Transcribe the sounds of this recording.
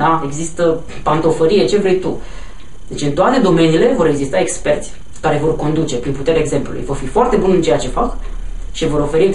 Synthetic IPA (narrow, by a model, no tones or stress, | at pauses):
d̪ae̞ɡzist̪ə | pant̪o̞fəɾije̞t͡ʃe̞vɾe̞jt̪u | d̪e̞t͡ʃɨnt̪oat̪e̞d̪o̞me̞niːle̞vo̞ɾe̞ɡzist̪ae̞kspe̞rt̪sʲ | kaɾe̞vo̞rko̞nd̪ut͡ʃe̞pɾinput̪eɾʲaeɡze̞mplṵlṵjvo̞rfifoart̪e̞bunɨnt͡ʃe̞jat͡ʃe̞fak | ʃivo̞ɾo̞fe̞ɾie